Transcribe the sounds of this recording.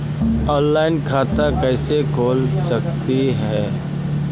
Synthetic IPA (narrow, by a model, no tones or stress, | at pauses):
ɔ̃ːnlaːɪnkʰaːt̪akɛːsekʰoːlsɐk̚t̪iɦɛː